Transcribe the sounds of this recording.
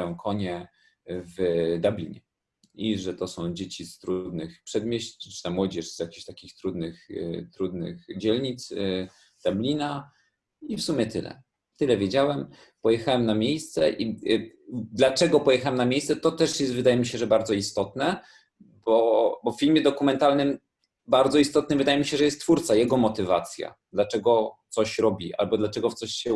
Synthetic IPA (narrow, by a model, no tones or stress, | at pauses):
jɔ̃w̃kʰɔɲɛ | vd̪ablʲḭɲɛ | iʐɛt̪ɔsɔ̃w̃d͡ʑet͡ɕist̪ɾud̪nɘxpʂɛd̪mʲjeɕɨ̥t̪amwɔd͡ʑɛʂz̥jakʲiɕt̪akʲixt̪ɾud̪nɘxt̪ɾud̪nɘ̰xd͡ʑɛlɲit̪s | d̪̥ablʲina | ifsumʲjɛt̪ɘlɛ̰ | t̪ɘlɛvʲjed͡ʑawɛm | pɔjɛxawɛmnamʲjejst̪sɛ̰ʔi | d̪lat͡ʂɛɡɔpɔjɛxawɛmnamʲjejst̪sɛt̪ɔt̪ɛʂjɛst̪vɘd̪ajɛmʲiɕɛʐɛbaɾd̪zɔist̪ɔt̪nɛ | bɔbɔffʲilmʲjɛd̪ɔkumɛnt̪alnɘm | baɾd̪zɔist̪ɔt̪nɘmvɘd̪ajɛmʲiɕɛʐɛjɛst̪tːfuɾt̪sajɛɡɔmɔt̪ɘva̰t̪sʲja̰d̪lat͡ʂɛɡɔt̪sɔɕɾɔbʲiʔa̰lbɔd̪lat͡ʂɛɡɔt̪sɔɕɕɛ